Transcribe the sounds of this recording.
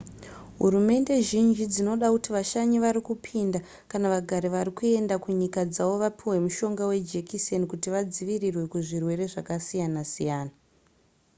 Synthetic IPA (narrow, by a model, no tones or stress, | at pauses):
ɦṵɾume̞nde̞ʒind͡ʒid͡zino̞ɗakutiʋaʃaɲiʋaɾikupʰinda | kanaʋaɡʱaɾiʋaɾikue̞ndakuɲikad͡zaʋo̞ʋapʰiwe̞muʃo̞ŋɡawe̞d͡ʒekisenkutiʋad͡ziʋirirwe̞kuʐirwe̞ɾe̞ʐakasijanasijaːna